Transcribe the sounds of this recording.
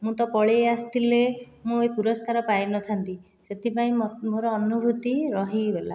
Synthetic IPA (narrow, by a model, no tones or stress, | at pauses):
mũt̪ɔpɔɭeast̪ʰile | mũepuɾɔskaɾɔpajnɔt̪ʰant̪i | set̪ʰipaĩmoɾɔːnubʱut̪iɾɔɦibela̰